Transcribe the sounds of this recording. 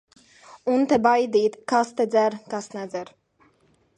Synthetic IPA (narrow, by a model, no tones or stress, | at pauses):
unt̪ɛbajd̪iːt̪kast̪ed̪zæɾkasnɛzɛɾ